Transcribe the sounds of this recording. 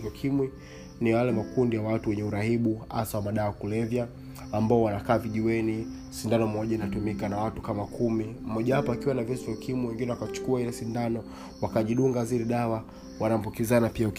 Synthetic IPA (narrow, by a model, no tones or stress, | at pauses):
vakʰimwi | nijalɛmakundijawatuwɛɲɛuɾahiɓua̰sawamaɗaakulɛvjaː | mbaɔwanakaːviʄiwɛni | sindanɔmɔʄainatumikanawatu̥kamakʰumim̩mɔʄahapɔakiwanavɛsuvjakʰimwiwɛŋɡinɛwakat͡ʃu̥kuahilɛsindanɔ | wakaʄiɗuŋɡazilɛɗawa | wanam̩bukizanapiak